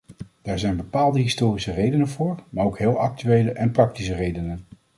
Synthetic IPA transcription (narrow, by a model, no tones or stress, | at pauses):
d̥aːɹzɛjnbəpaːlˠdəɦɪstoːrisərejdənənvʊːɹmaːowkɦɪːlˠɑk̚tyʋejləʔɛnprɑk̚tis̬ərejdənən